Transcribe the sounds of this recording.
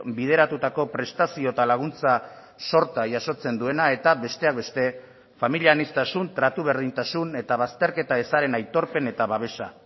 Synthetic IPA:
bið̞e̞ɾat̪ut̪ako̞pɾe̞st̪asio̞t̪alaɣ̞unt͡sa | so̞ɾt̪aʝaso̞t͡se̞nd̪ue̞nae̞t̪aβe̞st̪e̞ak̚be̞st̪e̞ | familianist̪asunt̪ɾat̪uβ̞e̞ɾð̞int̪asune̞t̪aβ̞ast̪e̞ɾke̞t̪ae̞saɾe̞najt̪o̞ɾpe̞ne̞t̪aβaβe̞sa

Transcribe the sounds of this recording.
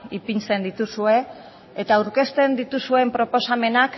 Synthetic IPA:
ipint͡se̞nd̪it̪usue̞ː | t̪aːwɾke̞st̪e̞nd̪it̪usue̞mpɾo̞po̞same̞nak

